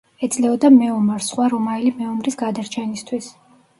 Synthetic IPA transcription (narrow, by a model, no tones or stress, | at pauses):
ɛd̪sʼlɛɔd̪amɛɔmaɾsχwaɾɔmaɛlimɛɔmɾisɡad̪aɾt͡ʃʰɛnist̪ʰwis